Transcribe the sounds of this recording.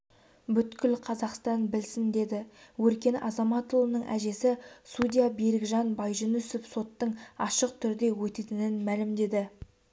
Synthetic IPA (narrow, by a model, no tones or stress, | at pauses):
bʏt̪kʲɪlqʰɑzɑqst̪ɑnbɪlsɪnd̪e̞d̪ɪwɵɾkʲe̞nɑzɑmɑt̪ulˠənəɴʔæ̰ʒe̞sɪsud̪ʲijabeɾɪɡʒɑnbɑjʒənɵsɪpso̞t̪ːəɴɑʃəq̚t̪ʰʏɾd̪e̞wɵt̪e̞t̪ɪnɪnmælɪmd̪e̞d̪ɪ